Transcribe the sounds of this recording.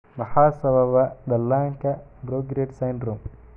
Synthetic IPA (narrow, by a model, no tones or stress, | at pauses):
mɐhaːsɐbɐʋɐd̪ɐlːaːŋkɐbɾoːɡɾeːʈsɐjnɖɾum